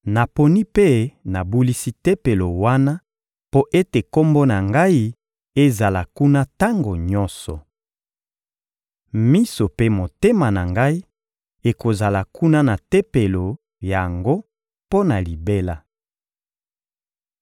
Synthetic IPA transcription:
na˨po˨ni˦pe˦na˨bu˦li˦si˦te˦pe˨lo˨wa˦na˦ | po˦ʔe˦te˨ko˦mbo˦na˨ŋɡa˦i˦ | e˦za˨la˨ku˦na˦ta˦ŋɡo˨ɲɔ̃˦nsɔ˨ | mi˦so˨pe˦mo˨te˦ma˨na˨ŋɡa˦i˦ | e˨ko˨za˨la˨ku˦na˦na˨te˦pe˨lo˨ | ja˨ŋɡo˦ | po˦na˨li˨be˦la˦

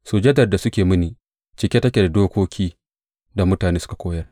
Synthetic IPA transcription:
soː˨d͡ʒɐ˦dɐ˨rda˨sʊ˦kʲeː˨mɪ˦niː˨ | t͡ʃɪ˨kʲe˦tɐ˦kʲe˨da˨doː˦kʷoː˦kʲʰiː˦ | da˨mʊ˦taː˨neː˦sʊ̥˦ka˨kʷoː˦jɐ˦r

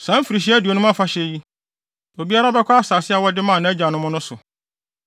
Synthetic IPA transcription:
sã˨˦m̩˦fi˨ɾi˨ɕ̬i˦æ˦du˨o˨nʊ̃˦a˦fa˦ɕɛ˦ji˦ | o˨bi˦a˦ɾa˦bɛ˦kʰʷɔ˦a˦˨saː˨sɪ˦a˨wɔ˦dɪ˦mã˦˨nã˨˦æ˦d͡ʑã˨nʊ̃˦mʊ̃˦nʊ̃˦sʊ˨

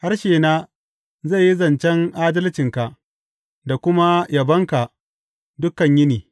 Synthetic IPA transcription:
ha˦rʃeː˨naː˦ | za˦˨ji˦zɐ˨nt͡ʃɛ˦ŋʔaː˦dɐ˦lt͡ʃɪ˨ŋka˨ʔ | da˨kʷʊ˦ma˦jʔa˨bɐ˦ŋka˨ | dʊ˦kːɐ˨ɲjɪ˦niː˨

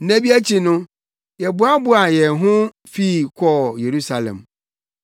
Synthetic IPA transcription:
næ̃˦bi˦æ˦t͡ɕʰi˨nʊ̃˦ | jɛ˨bʊ˨˦a˦bʊ˦a˨jɛ˨ɦʊ̃˦ | fi˦˨kʰɔ˦˨je˨ɾu˦sa˨lɛ̰̃˨m

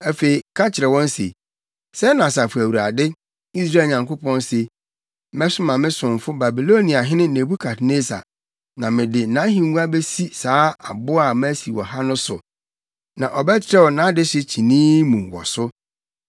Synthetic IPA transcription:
æ˦fe˨i˨kʰa˦t͡ɕʰɪ˨ɾɛ˨wɔ̃˦n˦sḛ˨ | sɛ˦nã˨sa˨fʊ˨æ˨wu˨ɾa˨dɪ˦ | i˦s̬ɾa˦˨ɲã˨ŋkʊ˦pʰɔ̃˦nse˨ | mɛ˦sʊ˦mã˨mɪ̃˦sʊ̃˨ɱ˨fʊ˦ba˨bi˨lo˦nĩ˨a˨ɦɪ̃˦nɪ̃˦nẽ˨bu˦kʰa˨tne˦sa̰˨ | nã˨mɪ̃˨dɪ˨˦nã˨˦ɦĩ˨ŋ˦ɡu˦a˦be˦si˦saː˨˦a˨bʊ˦a˨mæ˦si˨wɔ̰˨ɦa˦nʊ̃˦sʊ̰˨ | nã̰˨ʔɔ˨bɛ˦t͡ɕʰɪ˦ɾɛ˦wɔ˨nã˨˦dɪ˦ɕɪ˦t͡ɕʰi˨nĩː˦mũ˨wɔ̰˨sʊ˦

